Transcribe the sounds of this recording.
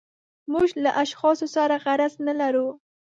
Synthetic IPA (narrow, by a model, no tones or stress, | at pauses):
muʒlaʔaʃxɑsosaɾaɣaɾaznalaɾu